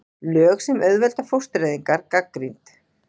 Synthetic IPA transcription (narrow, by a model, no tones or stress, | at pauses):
lœːxsɛmœɥðvɛlt̪afowrst̪ɾejðiŋkaɾkakɾint̪